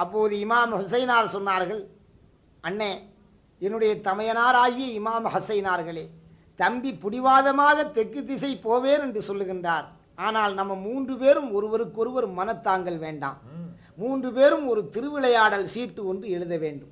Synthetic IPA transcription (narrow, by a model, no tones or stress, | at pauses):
ɐpːoːðɯɪmaːmhʊsɐɪnaːɾsɔnːaːɾɣɐɭ | ʔɐɳːeː | ɛnːɯɽɐjɐt̪ɐmɐjɐnaːɾaːɣɪjɐɪmaːmhʊsɐɪnaːɾɣɐɭeː | t̪ɐmbipːʊɽɪʋaːðɐmaːɣɐt̪ːɛkːɯt̪ːɪsɐɪpoːʋeːnɛndrɯsɔlːɯɣɪndraːɾ | ʔaːnaːlnɐmːɐmuːndrɯpeːɾɯmɔɾɯʋɐɾɯkːɔɾɯʋɐɾɯmːɐnɐt̪ːaːŋɡɐɭʋeːɳɖa̰ːmː | uːndrɯpeːɾɯmɔɾɯt̪ɪɾɯʋɪɭɐjaːɽɐlsiːrʈːɯɔndrɯɛɻɯðɐʋeːɳɖɯm